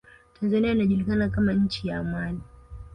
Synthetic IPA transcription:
tʰanzaniainaʄulikanakamaɲ̩t͡ʃijaːmani

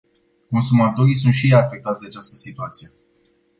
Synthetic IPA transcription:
ko̞nsumat̪o̞ɾis̬unt̪ʃieafe̞k̚t̪at̪sʲd̪eat͡ʃast̪ə̥sit̪uat̪sije̞

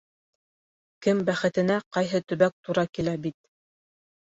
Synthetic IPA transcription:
kɘmbæχɘ̆t̪ɘ̆næqɑjɦɤt̪ɵ̆βæk̚t̪uɾɑkilæbit̪̚

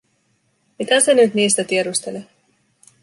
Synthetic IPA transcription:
mit̪æsenyt̪niːst̪æt̪ieɾust̪e̞le

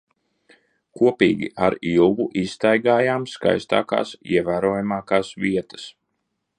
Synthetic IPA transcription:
kuɔpḭːɡʲḭʔaɾilˠɡuʔist̪ajɡaːjaːmska̰jst̪a̰ːka̰ːsḭɛvæːɾuɔːjamaːkaːsʋiɛt̪ə̥s

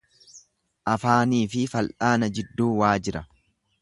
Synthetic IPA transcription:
ʔɐfaːniːfɪfɐlʔaːnɐd͡ʒɪd̪ːuːwaːd͡ʒɪɾɐ

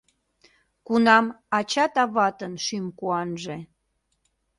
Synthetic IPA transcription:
kunɑmɑt͡ɕɑt̪ɑβɑt̪ənʃymkuɑnʒĕ

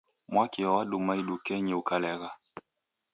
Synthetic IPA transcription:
mwakiwawaɗumaiɗukɛɲɛukalɛɣa

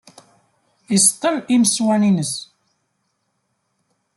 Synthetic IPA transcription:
ist̪ˤːəliməswæninəs

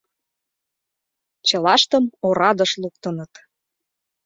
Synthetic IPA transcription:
t͡ɕɤlɑʃt̪əmoɾɑd̪ɤ̆ʃluk̚t̪ənə̆t̪

